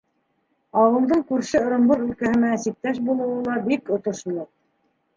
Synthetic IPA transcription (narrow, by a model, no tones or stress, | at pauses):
ɑwɤ̆lˠd̪ɤɴkʉɾʃɘŏɾŏmbɤɾʉlkæhɘ̆næːsip̚t̪æʃ̬bulˠɤ̆wɤlˠɑbikŏt̪ŏʃlˠoq̚